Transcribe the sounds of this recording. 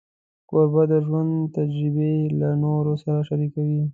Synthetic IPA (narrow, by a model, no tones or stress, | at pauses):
koɾbad̪əʒwand̪t̪ad͡ʒɾibelanoɾosaɾaʃaɾikawi